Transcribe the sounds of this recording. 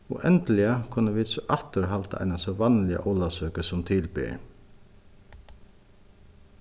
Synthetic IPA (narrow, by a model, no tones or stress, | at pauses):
ɔ̰ʔɛnt̪əlɪakʰʊnːəʋiːd̪sɔʔaht̪əɾɦalt̪aa̰ɪnasɔʋɑnlɪa̰ʔɔːlasœːkəsɔmt̪ʰɪlpɪ̰